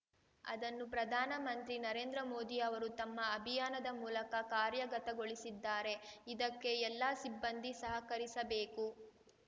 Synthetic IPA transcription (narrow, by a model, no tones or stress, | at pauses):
ɐ̰d̪ɐnːupɾɐd̪ʱaːnɐmɐnt̪ɾinɐɾe̞ːnd̪ɾɐmo̞ːd̪iɐʋɐɾut̪ɐmːɐːbʱijaːnɐd̪ɐmuːlɐkɐkaːɾjɐɡɐt̪ɐɡoɭisid̪ːaːɾe̞id̪ɐkːe̞ɛlːaːsibːɐnd̪ʱisɐɦɐkɐɾisɐbeːku